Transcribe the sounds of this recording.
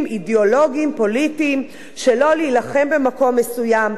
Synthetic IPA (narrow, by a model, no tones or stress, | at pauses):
mideolo̞ɡimpo̞litiːm | ʃelo̞liːlaχe̞mbe̞mako̞mːesujam